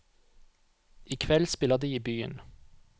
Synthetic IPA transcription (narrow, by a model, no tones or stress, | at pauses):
ʔiːkʰʋɛlspɪlɑd̪iːiːbyːə̰n